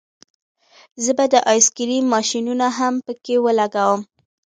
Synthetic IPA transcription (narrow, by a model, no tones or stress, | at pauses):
zəbad̪əʔɑjskiɾimɑʃinunaɦampəkewəlaɡawəm